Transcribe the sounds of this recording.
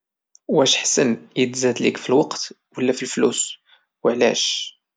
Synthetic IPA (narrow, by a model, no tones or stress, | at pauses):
wæʃħsənjit̪zæd̪likfilwɑqt̪ | wəlːæfilflus | wəʕlæ̰ʃ